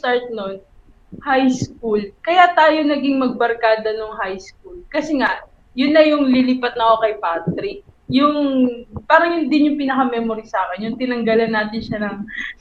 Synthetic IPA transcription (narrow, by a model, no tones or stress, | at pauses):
t̪aɹt̪̚non | hajskulkɐjat̪aːjo̞nɐɡiŋmɐɡ̚bɐɾkaːd̪ɐnoŋɦajsk̚ulkɐsɛŋaʔ | jʊnːɐjʊŋlɪlipɐt̪̚nɐʔokɐjpat̪ɾɪk̚jʊŋpaːɾɐŋjʊnd̪ɪnjʊŋpɪnɐkɐmɛmoɾisaːkɛnjʊŋt̪ɪnɐŋɡɐlɐnːaːt̪ɪnʃɐnɐŋ